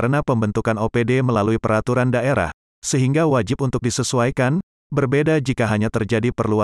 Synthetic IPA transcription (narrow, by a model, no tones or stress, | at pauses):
ɾənapəmbənt̪ukanopedeməlaluipəɾat̪uɾandaʔeɾa̰h | səɦiŋɡawad͡ʒɪp̚unt̪ʊk̚disəsuajkan | bərbedad͡ʒikaɦaɲat̪ərd͡ʒadipərlua